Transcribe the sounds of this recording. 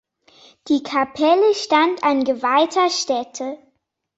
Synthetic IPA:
d̥iːkʰapʰɛləʃtantʰanɡəvaɪtʰɐʃtɛtʰə

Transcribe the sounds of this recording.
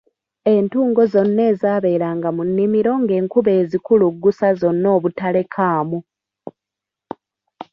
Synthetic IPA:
e̞ntuːŋɡo̞zo̞nːe̞ːzaːβe̞ːɾaːŋɡamunːimiɾo̞ŋɡe̞ːŋkuβe̞ːzikuluɡːusazo̞nːo̞ːβutale̞kʰaːmu

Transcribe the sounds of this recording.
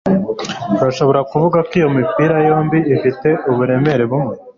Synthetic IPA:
uɾaʃo̞βo̞ɾakuvuɡakwijo̞mipiːɾajo̞ːmbiːfite̞ʔuβuɾe̞me̞ɾe̞βumŋe

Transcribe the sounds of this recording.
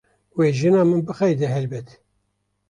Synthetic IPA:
weːʒɨnɑːmɨnbɨxɛjd̪ɛɦɛlbɛt̪

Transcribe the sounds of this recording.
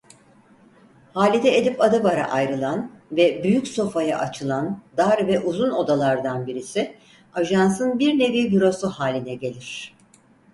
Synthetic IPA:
haːlʲid̪ɛed̪ipad̪ɯbaɾa̰ʔajɾɯlˠanvɛbyjycso̞faja̰ʔat͡ʃʰɯlˠand̪aɾvɛʔuzuno̞d̪alˠaɾd̪anbiɾisɪ | aʒansɯnbiɾne̞viːbiɾosuhaːlʲinɛɟe̞lʲiɾ̝̥

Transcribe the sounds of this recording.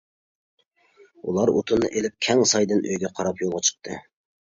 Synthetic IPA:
ṵlˠɑɾot̪ʰunːɨ̰ʔelɪp̚kʲʰɛŋsɑjd̪ɨnø̰jɡʲɛqʰɑɾɑpjolˠʁɑt͡ʃʰə̥q̚t̪ʰɨ̰

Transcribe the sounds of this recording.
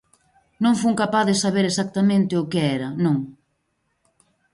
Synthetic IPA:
nõŋfuŋkapaðɪsaβeɾesak̚t̪amẽnt̪ɪʊkeɛɾɐnõŋ

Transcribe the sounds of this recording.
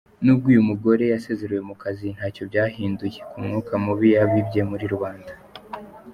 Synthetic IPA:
nub̚ɡuːjumuɡo̞ɾe̞jase̞ːze̞ɾewe̞mukazin̥haːco̞bɟaːhiːnduje̞kumŋuːkamuβijaβibɟe̞muɾiɾuβaːnda

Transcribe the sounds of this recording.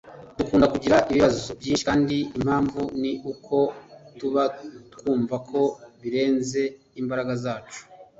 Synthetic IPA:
dukuːndakuɟiɾaʔiβiβazobjiːnʃi̥kaːndiim̥haːɱvuniʔukʰo̞tuβatkuːɱvakʰo̞βiɾe̞ːnze̞ | imbaɾaɡazaːt͡ʃu̥

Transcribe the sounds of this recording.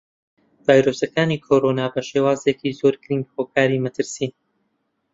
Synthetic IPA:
v̥aːjɾosɐkaːniːkʰoɾonaːbɐʃeːwaːzekizoːɾɡɾinɡhoːkʰaːɾimɐt̪ʰɨɾsiː

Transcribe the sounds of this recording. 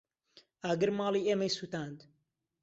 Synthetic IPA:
aːɡɨɾmɑːlˠiːeːmɐjsuːt̪aːnd̪

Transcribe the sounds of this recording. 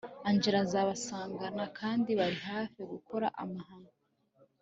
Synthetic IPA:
aɲd͡ʒeɾazaβasaːŋɡanakʰaːndiβaɾihaːfiɡuko̞ɾa̰ʔamahaːŋɡo

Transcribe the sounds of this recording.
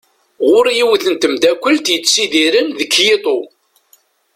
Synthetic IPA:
ʁʊɾjiwəθənt̪əmd̪ækʷːəlt̪jət͡sːsiðiɾənðəkːjet̪ˤo

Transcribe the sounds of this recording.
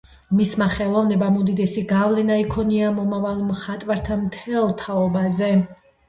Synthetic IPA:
mismaχɛlˠɔvnɛbamud̪id̪ɛsiɡavlɛnaikʰɔniamɔmavalˠmχat̪ʼwaɾt̪ʰamt̪ʰɛlˠt̪ʰaɔbazɛ

